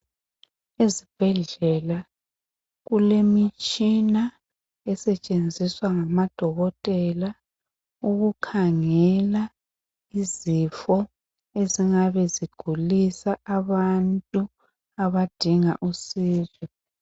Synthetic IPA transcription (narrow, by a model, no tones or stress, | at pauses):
ezib̥ʱɛɮɛla | ɣulemit͡ʃʼina | ɛsɛt͡ʃʼend͡zʱiswaŋamad̥ʱɔɣɔtʼɛla | uɣukʰaŋɛla | izifɔ | eziŋaβɛziɡ̥ʱulisaʔaβantʼu | aβad̥ʱiŋa̰ʔusiːzɔ